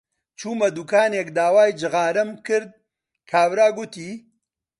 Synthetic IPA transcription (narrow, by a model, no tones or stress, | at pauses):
t͡ʃuːmɐd̪uːkaːneːkd̪aːwaːjd͡ʒɨɣaːɾɐmkɨɾd̪̚ | kʰaːvɾaːɡʊt̪iː